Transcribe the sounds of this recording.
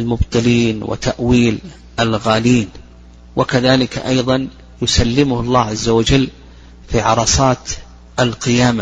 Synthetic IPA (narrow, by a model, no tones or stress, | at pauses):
almʊbt̪ˤɨliːnwʔɪ̰t̪aʔwiːl | ʔalɣaːliːn | wʔakaðaːlɪkaʔɑjðˤɑn | jʊsalːɪmʊhɑlˤːɑːʕazːawad͡ʒalː | fiʕɑɾˤɑsˤɑːt̪ | ʔalqɪjaːma